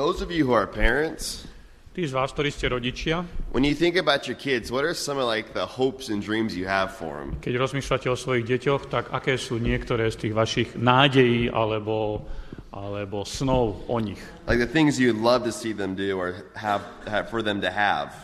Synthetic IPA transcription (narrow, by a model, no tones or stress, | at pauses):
ðoʊzʌvjɨɦuə˞pʰɛɹɨ̃nts | t̪iːzʋaːsk̚t̪ɔɾiːscɛɾɔɟit͡ʃɪawʔə̰̃njɨθɪ̃ŋkɨbaʊt͡ʃə˞kʰɪdzwʌɾə˞sʌ̃mʌlaɪk̚ðəhoʊpsɨ̃ndɹĩmzjɨəv̥fɔ̰ɹɨ̰̃mkɛɟɾɔzmiːʃlacɛɔsʋɔjiɣɟɛcɔxt̪aɡa̰kɛːsuːɲɪɛkt̪ɔɾɛːst̪iːɣʋaʃiɣnaːɟɛjiːʔa̰lɛbɔ | ʔalɛbɔsnɔʊʔɔɲix | laɪk̚ðɨθɪ̃ŋzjɨdˡlʌv̥tɨsiðɨ̃mdʉə˞hæv | fə˞ðɨ̃mtɨæ̰v̥